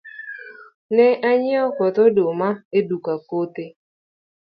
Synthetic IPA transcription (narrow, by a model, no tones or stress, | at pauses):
nɛʔaɲɪɔkɔtɔdomaedukakote